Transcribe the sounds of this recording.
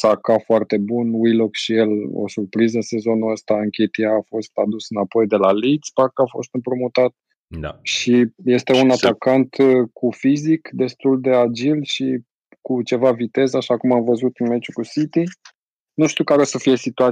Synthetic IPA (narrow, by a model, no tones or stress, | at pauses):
sakafoart̪e̞bunwijlokʃije̞lo̰surpɾizɨnse̞zo̞nuəst̪aɨŋkʲet̪iaːfo̞st̪ad̪usɨnapo̞jd̪e̞lalid̪sbarkafo̞̰st̪ɨmpɾomut̪at̪̚ | ʃije̞st̪e̞unat̪akant̪kʰufizikd̪e̞st̪uld̪e̞ad͡ʒilʃi | kut͡ʃe̞vavit̪e̞zaʃakumamvəzut̪ɨnmet͡ʃukusit̪i | nuʃt̪iukaɾosəfije̞sit̪ua